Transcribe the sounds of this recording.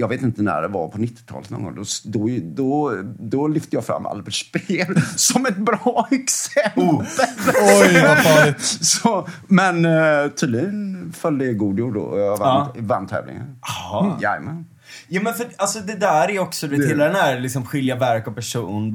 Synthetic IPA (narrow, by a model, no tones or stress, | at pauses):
jɑːɡveːt̪ɪnt̪ənæ̰ɖɛva̰pʰɔnɪt̪ːɪ̥t̪ʰɑ̰ːlət̪nɔ̰ːɡɔ̰ŋd̪ɔd̪uːjd̪ɔd̪ɔlʏft̪əəjɑfɾa̰mːʔa̰lbɛʂpeːlsɔmɛt̪̚bɾɑːɛksɛmpəlɔ | sɔmɛnt̪ʰyːd̪lɪɡənfœld̪əɡuːd̪juːɖɖɔ̰ɔjɑvavant̪ʰːɛ̰ːvlɪ̰ŋə̰nhjajmɛn | juːmɛnfœɖalsɔd̪ɛd̪æɾæɾjɔksɔd̪ɵveːheːlad̪ɛnæɾlɪksɔmɧɪljavæɾkɔpæʂuːn